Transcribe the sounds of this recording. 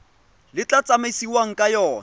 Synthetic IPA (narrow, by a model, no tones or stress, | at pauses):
lɪt͡ɬat͡sʼamesiwaŋ̩kʼajɔːn